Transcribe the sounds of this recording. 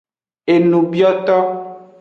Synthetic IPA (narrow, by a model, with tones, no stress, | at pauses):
e˨nũ˨bi˦ɔ˦t̪ɔ˦